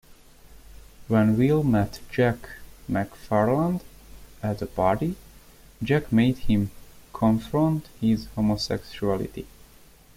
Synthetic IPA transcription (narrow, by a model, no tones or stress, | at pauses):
wɛ̃nwilˠmɛtd͡ʒækmækfɛɹlə̃nd | æt̪əpɑɹti | d͡ʒækmeɪd̚hɪ̃mkʰɔ̃ɱfɹɔ̃nthɪzhomosɛ̰kʃuælˠɪ̰tḭ